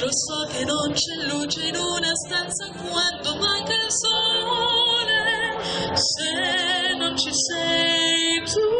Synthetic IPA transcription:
ɾosɔkenont͡ʃɛlːuːt͡ʃenunast̪ant̪sakwand̪omakeso | ne | senont͡ʃisɛjt̪u

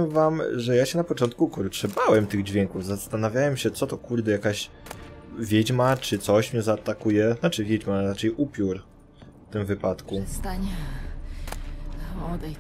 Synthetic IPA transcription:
ɛvamʐɛjaɕɛnapɔt͡ʂɔnt̪̚kukɔɾtʂɛbawɛmt̪ɘɣd͡ʑvʲjɛŋkuvzast̪anavʲjawɛmɕɛt̪sɔt̪ɔkuɾd̪ɛjakaɕ | vʲjed͡ʑmat͡ʂɘt̪sɔɕmɲɛzaːt̪akujɛnat͡ʂɘvʲjɛd͡ʑmaɾat͡ʂɛjʔupʲjuɾ | ft̪ɘmvɘpat̪kust̪aɲɛ | ɔd̪ɛ

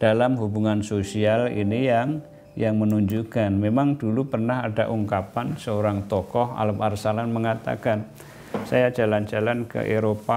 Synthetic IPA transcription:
d̥alamɦubuŋansosialḭnijaŋ | jaŋmənuɲd͡ʒukanmemaŋdulupərnaɦadaʔuŋkapansəoɾaŋt̪ɔkɔha̰ləparsalanməŋat̪a̰kan | sajad͡ʒaland͡ʒalankə̰ʔeɾopa

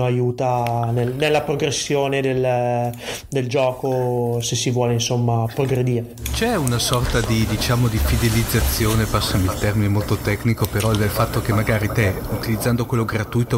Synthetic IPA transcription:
oajuːt̪anelnelːapɾoɡɾesːjoːned̪el | d̪eld͡ʒɔːkosesːivwɔːleinsomːapɾoɡɾed̪iːɾet͡ʃɛunasɔrt̪ad̪id̪it͡ʃaːmod̪ifid̪elid̪zːat̪sːjoːnepasːamilt̪ɛrminemolt̪ot̪ɛknikopeɾɔɛd̪elfat̪ːokemːaɡaːɾit̪ɛ | ut̪ilid̪zːand̪okwelːoɡɾat̪ujt̪o

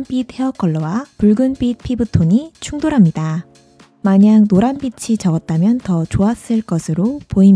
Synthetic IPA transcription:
np͈it̚he̞ʌk͈ʌɭːʌwapuɭɡɯnp͈it̚pʰibɯtʰoɲit͡ɕʰuŋdoɾɦamɲida | maɲaŋnoɾanbit͡ɕʰit͡ɕʌɡʌt̚t͈amjʌntʌt͡ɕoas͈ɯɭk͈ʌsʰɯɾopoim

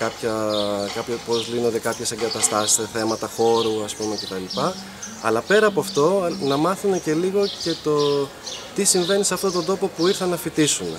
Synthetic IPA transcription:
kɐpçɐkɐpçopo̞zlino̞nd̪e̞kɐpçe̞se̞ŋɡɐt̪ɐst̪ɐsi̥sθe̞mɐt̪ɐxo̞ɾuɐspume̞ce̞t̪ɐlipɐ | ɐ̰lɐpe̞ɾɐːpoɐft̪o̞nɐmɐθune̞ce̞liɣo̞ce̞t̪o̞ | t̪isiɱve̞niseɐft̪ot̪o̞nd̪opo̞puiɾθɐnɐfit̪isunḛ

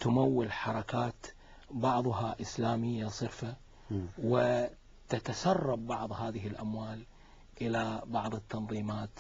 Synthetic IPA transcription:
t̪ʊmawːɪlħɑɾˤɑkaːt̪ | bɑʕðˤʊɦaʔɪslaːmɪjːasˤɨɾfa | wɪ | t̪at̪asɑrˤːɑbːɑʕðˤhaːðɪɦɪlʔamwaːl | ʔɪlabɑʕðˤɨt̪ːɑnðˤiːmaːt̪

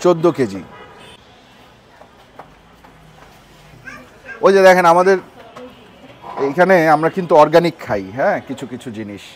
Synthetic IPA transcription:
t͡ɕod̪ːoked͡ʑḭ | od͡ʑed̪ɛkʰenamad̪eɾ | ejkʰaneamɾakint̪uɔɾɡanikʰːajɦɛ̃ːkit͡ɕʰukit͡ɕʰud͡ʑiniʃ

